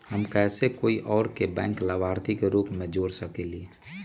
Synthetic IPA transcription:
həmkɛːsekoːiʔɔːɾkebɛ̃ːŋklabʱaːɾt̪ʰikeɾuːpmẽd͡ʒoːɾsəkeli

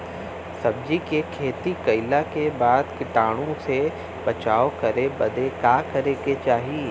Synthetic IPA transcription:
sɐb̚d͡ʒikekʰeːt̪ikɐɪlakebaːd̪kɪʈaːɽ̃õse | bɐt͡ʃaːokɐɾebɐd̪ekaːkɐɾeket͡ʃaːɦie

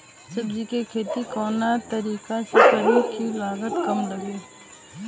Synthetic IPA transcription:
səbd͡ʒiːkeːkʰeːt̪ikoːnaːt̪əɾiːkasekəlĩːkʰiːlaːɡət̪kəmləɡeː

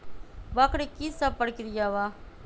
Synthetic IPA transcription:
bakɽikisapːəɽkɪɾijaʋaː

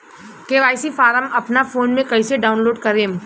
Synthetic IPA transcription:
keʋaːɪsifaːɾəmɐpnafoːnmẽkɐiseɖaːʊnloːɖkɐɾeːm

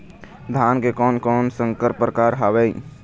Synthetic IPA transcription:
d̪ʱankekɔnkɔnsəŋkəɾpɾəkaɾɦabɛj

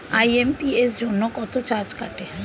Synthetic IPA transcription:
ajempiesd͡ʒonːɔkɔt̪ʰot͡ʃaɾd͡ʒkaʈe

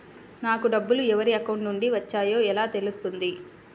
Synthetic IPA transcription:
naːkuɖɐbːuluɛʋɐɾiɐkɐwɳʈnuɳɖiʋɐt͡ʃːaːjo̞ːɛlaːt̪elust̪und̪i

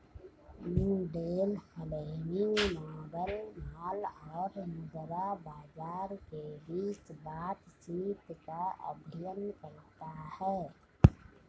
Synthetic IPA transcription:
nɪɖeːlhəleninaːbəlmaːlɔːɾmʊd̪ɾabaːd͡ʒaːɾkebiːt͡ʃbaːt̪t͡ʃiːt̪kaʔə̰bʱijənkəɾt̪ahɛː

